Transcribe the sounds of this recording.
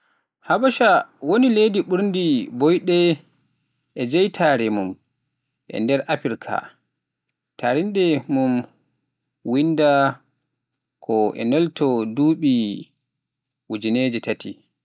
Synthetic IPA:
habaʃawonilediɓuɾndibɔjɗɛ | ʔɛd͡ʒɛjtʰaɾɛmum | ʔɛ̰ndɛɾʔapiɾkʰa̰ | tʰaɾindɛmum | winda | kʰɔʔɛ̰nɔltɔduːɓi | wud͡ʒined͡ʒitati

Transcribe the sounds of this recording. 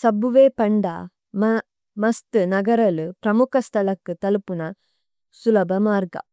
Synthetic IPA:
sɐbuʋeːpɐɳɖa̰ː | m | mɐst̪ɨnɐɡɐɾɐlɯpɾɐmukʰɐst̪ʰɐlɐkːɯt̪ɐlupunɐ | sulɐbɐmaːɾɡɐ̰

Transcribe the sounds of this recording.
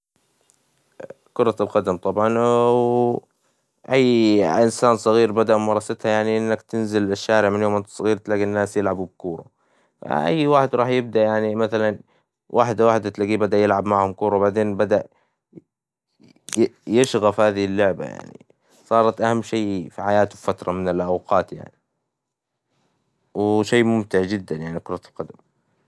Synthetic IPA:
kʊɾˤɑlqɑd̪amt̪ˤɑbʕɑnw | ʔajːʔɪnsaːnsˤɑɣiːɾbad̪aʔmmɑɾˤɑsat̪hajaʕniʔɪnːakt̪ɪnzɪlɪʃːaːɾɪʕmɪnjoːmʔant̪sˤɑɣiːɾt̪laːɡinːaːsjɪlʕabub̚kuːɾˤɑ̰ | fa̰ʔa̰jːwaːħɪd̪ɾˤɑːħjɪb̚d̪aʔjaʕnimaθalan | wʔaːħd̪awaːħd̪at̪laɡiːbad̪aʔjɪlʕabmaʕhʊmkuːɾˤowbaʕd̪eːnbad̪aʔ | jɪʃɣafhaːðɪhɪlːʊʕba̰ja̰ʕnḭ | sˤɑːɾˤɑt̪ʔahamːʃeːfiħajaːt̪ʊfat̪ɾˤɑmɪnɪlʔawqɑːt̪ja̰ʕni | wɪʃeːmʊmt̪ɪʕd͡ʒɪd̪ːanjaʕnikʊɾˤɑlqɑd̪am

